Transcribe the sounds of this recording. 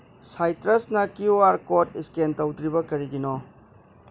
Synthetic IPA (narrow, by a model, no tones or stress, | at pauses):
sajtɾɐsnɐkioaɾkotiskentɐwdɾibɐkɐɾiɡinɔ